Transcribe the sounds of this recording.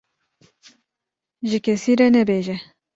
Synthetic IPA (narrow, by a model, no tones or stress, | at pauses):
ʒɨkʲʰɛsiːɾɛnɛbeːʒɛ